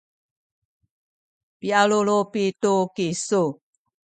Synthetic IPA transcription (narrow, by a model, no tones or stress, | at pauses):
pialolopitukisu